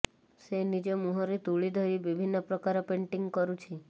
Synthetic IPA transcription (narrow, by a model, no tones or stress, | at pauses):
senid͡ʒɔmuɦɔɾit̪uɭid̪ʱɔjbibʱinːɔpɾɔkaɾɔpeɳʈiŋɡkɔɾut͡ʃʰi